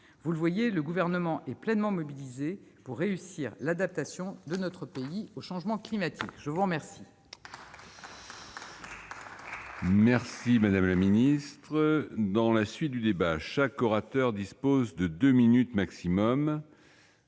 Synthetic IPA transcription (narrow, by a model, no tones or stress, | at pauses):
vuləvwajeləɡuvɛʁnəmɑ̃ʔɛplɛnmɑ̃mɔbilizepuʁːeysiʁlad̪ap̚t̪asjɔ̃d̪ənɔt̪χəpeioʃɑ̃ʒmɑ̃klimat̪ʰikʒ̥əvuʁəmɛʁsi | mɛʁsimad̪amlaminist̪χəd̪ɑ̃lasɥit̪̚d̪yd̪ebaʃakɔʁat̪œʁd̪ispozd̪əd̪øminyt̪maksimɔm